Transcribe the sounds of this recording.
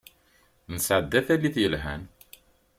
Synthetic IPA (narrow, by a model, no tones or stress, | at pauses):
nəsʕəd̪ːæθælːiθjəlɦæn